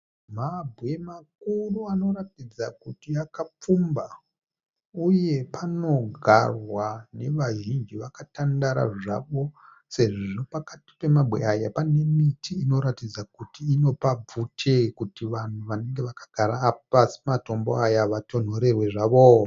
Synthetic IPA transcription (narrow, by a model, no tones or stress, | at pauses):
mabʱwe̞mak̚uruano̞ratid͡zakutiakap͡fumba | uje̞pano̞ɡʱa̰rwane̞ʋaʒind͡ʒiʋakatandaɾa̰ʐa̰ʋo̞ | se̞ʐiʐo̞pakati̥pe̞mabʱwe̞̰ajapane̞mitʰiːno̞ɾatid͡zakutiːno̞pab͡vutʰe̞kutiʋan̤uʋane̞ŋɡe̞ʋakḁɡ̥ʱaɾaːpasi̥mato̞mbo̞̰ajaʋatʰo̞n̤o̞ɾe̞rwe̞ʐaʋo